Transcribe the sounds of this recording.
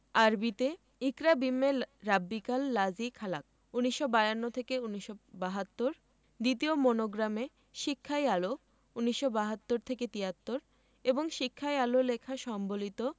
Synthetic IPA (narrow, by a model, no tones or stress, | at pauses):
aɾbit̪e | ikɾabimːeɾabːikalːad͡ʑikʰala̰k̚ | uniʃːobajanːot̪ʰekeuniʃːobaɦat̪ːoɾ | d̪it̪iomonoɡɾame | ʃikʰːajalo | uniʃːobaɦat̪ːoɾt̪ʰeket̪iɦat̪ːoɾ | eboŋʃikʰːajalolekʰaʃɔmbolit̪o